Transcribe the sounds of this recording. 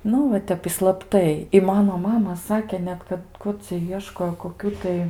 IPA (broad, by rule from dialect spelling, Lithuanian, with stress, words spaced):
ˈnʊ ʋɐ ˈtʲɛp ɪ slˠɐpˈtɐɪ ɪ ˈmɑːnoː ˈmɑːmɐ ˈsɑːkʲɛ ˈnʲɛt kɐt ˈkʊr t͡sʲɛ ˈiɛʃkoːjoː koːˈkʲuː tɐɪ